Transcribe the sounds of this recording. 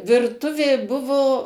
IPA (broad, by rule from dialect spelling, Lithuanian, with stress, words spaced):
ʋʲɪrˈtʊʋʲeː ˈbʊʋoː